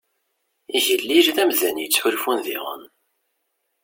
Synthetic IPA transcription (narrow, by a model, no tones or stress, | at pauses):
iʝəlːiɾðæmðænjət͡sːħʊlfunðḭʁə̰n